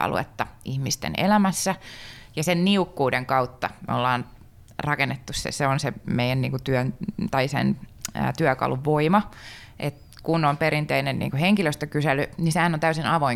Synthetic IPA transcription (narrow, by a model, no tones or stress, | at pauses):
ɑ̰lṵḛt̪ːɑʔihmist̪ḛnḛlæmæsːæjɑsenniukːuːdeŋkɑut̪ːɑmḛo̰lːɑːn | rɑkenːet̪ːussḛseonsemeijænniːŋkut̪yønt̪ɑisḛn̰ːt̪yækɑ̰luʋʋoimɑ | ʔet̪ | kunompeɾint̪einennḭːŋkuheŋkiløst̪økyselːˑynisehænont̪æysinɑʋoiŋ